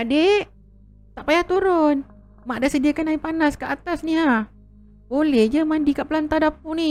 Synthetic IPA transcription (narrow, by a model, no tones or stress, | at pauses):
adeʔ | t̪aʔpajaht̪uɾʊn | maʔdasədiakanaipanaskəʔat̪asniɦah | bolɛhd͡ʒəmandikaʔpəlant̪adapuʔni